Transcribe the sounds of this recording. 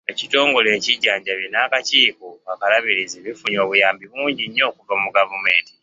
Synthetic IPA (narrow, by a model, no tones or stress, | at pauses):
ecito̞ːŋɡo̞le̞ːciɟːaːɲɟaβjenaːkaciːkoakalaβiɾiziβifuɲoːβujaːmbiβuːɲɟiɲːo̞ːkuvamuɡavume̞ːnti̥